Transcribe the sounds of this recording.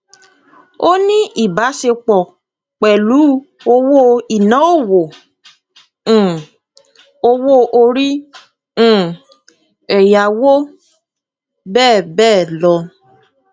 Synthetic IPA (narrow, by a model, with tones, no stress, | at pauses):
o˦nĩ˦ʔi˦˨ba˨˦se˧k͡pɔ˨ | k͡pɛ˨lu˨˦ | o˧wo˦˨i˨nɔ̃˨˦o˦˨wo˨˦˨ | o˧wo˦ʔo˧ɾĩ˦˨ | ɛ˨ja˨wo˦ | bɛː˦˨bɛː˦˨lɔ˧